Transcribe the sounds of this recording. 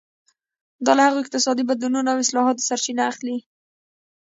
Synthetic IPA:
d̪ɑlahaɣoɪq̚t̪ɪsɑd̪ibad̪lununawɪslɑɦɑt̪̚əsaɾt͡ʃinaːxli

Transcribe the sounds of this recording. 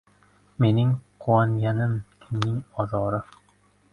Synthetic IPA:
me̞nɪŋqʰʊwanɡʲanɪmkʲʰɪmnɪŋɒzɒːɾɪ

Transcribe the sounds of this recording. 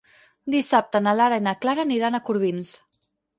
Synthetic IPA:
d̪isap̚t̪ənalaɾainaklaɾaniɾanəkuɾβins

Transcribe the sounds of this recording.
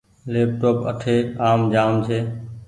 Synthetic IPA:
leːp̚ʈoːpə̰ʈʰeːaːmd͡ʒaːmt͡ʃʰeː

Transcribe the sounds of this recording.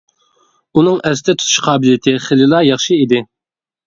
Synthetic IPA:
unɨŋɛst̪ɛt̪ʰu̥t̪ʰu̥ʃqʰɑːbɪljɪt̪ʰɪχelɪlˠɑjɑχʃiid̪ɪ

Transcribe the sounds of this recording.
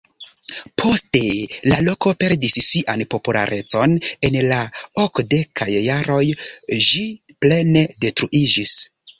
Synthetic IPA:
pʰo̞ste̞lalo̞ko̞pe̞ɾdisːiʔanpo̞pula̰ɾʔe̞t͡so̞ne̞nlaokde̞kʰajːaɾo̞jʒi | ple̞ne̞de̞tɾuʔid͡ʒis

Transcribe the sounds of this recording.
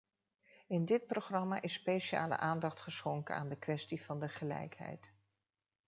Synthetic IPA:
ɪndɪt̚proχrɑma̰ʔɪsːpejʃa̰ːlə̰ʔaːndɑχtχəsχɔŋkəna̰ːndəkʋɛstivɑndəχəlɛ̰jkɦɛ̰jt

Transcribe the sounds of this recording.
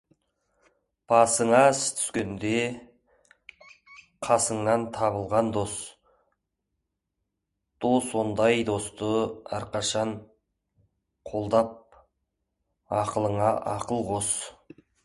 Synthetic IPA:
b̥ɑsəɴɑst̪ʰʏ̥skʲend̪e | qʰɑsəɴnɑnt̪ʰɑβəlˠʁɑnd̪o̞s | d̪̥oso̞nd̪ɑjd̪o̞st̪əɑ̰ɾqɑʃɑɴ | qʰo̞lˠd̪ɑp̚ | ɑqəlˠəɴɑʔɑqəlˠqʰo̞s

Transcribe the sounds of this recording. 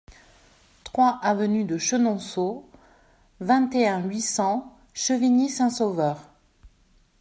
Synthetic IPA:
t̪χwaʔavənyd̪əʃənɔ̃so | vɛ̃t̪eɛ̃ɥisɑ̃ | ʃəvinisɛ̃sovœːʁ

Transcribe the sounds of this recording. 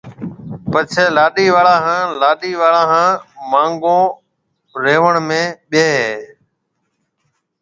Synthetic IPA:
pət͡ʃʰeːlaːɗiːʋaːɭãːɦãːlaːɗiːʋaːɭãːɦãːmãːŋɡõː | ɾeːʋəɳmẽːɓeːɦeː

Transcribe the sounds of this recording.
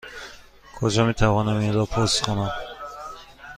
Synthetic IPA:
kʰɔd͡ʒɔmit̪ʰavɔnamizɔpʰɔsχɔnam

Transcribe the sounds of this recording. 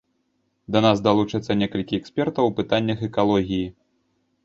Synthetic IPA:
d̪ɐnasd̪alˠut͡ʂɨt̪sːɐnʲɛkɐlʲkʲiɛksʲpʲɛrt̪ɐwpɨt̪anʲːɐxɛkalˠɔɣʲiji

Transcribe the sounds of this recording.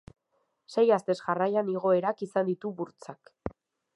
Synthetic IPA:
se̞jast̪e̞sʝarajaniɣ̞o̞e̞ɾakisand̪it̪uβuɾt͡sak

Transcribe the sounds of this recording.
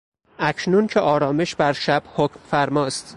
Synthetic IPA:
ʔæcʰnuncʰeʔɒːɾɒːme̞ʃbæɾʃæb̥hocʰmfæɾmɒːst̪

